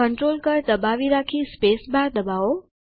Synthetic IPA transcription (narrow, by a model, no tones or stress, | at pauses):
əɳʈɾolkəɾd̪əbaʋiɾakʰispesbaɾd̪əbaʋo